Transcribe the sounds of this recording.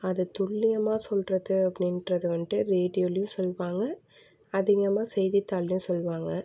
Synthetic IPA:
ɐðɯt̪ʊɭːɪɣɐmaːsɔlɾɐðɯɐpːnɪnʈɾɐðɯʋɐɳʈɯɾeːɖɪjoːljʊ̃sɔlːʋaːŋɡɐ | ɐðɪɣɐmaːsɛjðɪt̪ːaːlɪjʊ̃sɔlːʋaːŋɡɐ

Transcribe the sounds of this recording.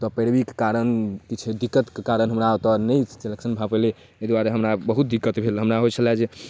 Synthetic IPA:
t̪ɔpəɾbike̥kaɾənkit͡ʃʰed̪ikːət̪kekaɾənɦəmɾat̪ɔnəjseleksənbʱapele | ed̪waɾeɦəmɾabəɦut̪̚d̪ikːət̪bʱelɦəmɾaɦojt͡ʃʰəlad͡ʒe

